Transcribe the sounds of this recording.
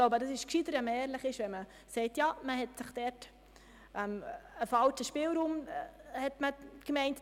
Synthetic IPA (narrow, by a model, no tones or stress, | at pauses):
ɡloʊbədɑsɪʃkʃidəɾɛməɛːɾlɪχɪʃʋɛnmə | sɛɪtjɑːməhɛtsɪχd̥ɛɾt | ʔɛməfɑlt͡ʃəʃpɪːlɾuːmhɛtməkmɛɪnt